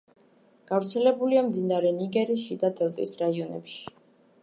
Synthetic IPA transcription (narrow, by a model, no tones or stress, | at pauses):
ɡ̥avɾt̪sʰɛlɛbuliamd̪inaɾɛniɡɛɾiʃid̪ad̪ɛlˠt̪ʼisɾaiɔnɛ̰pʃi̥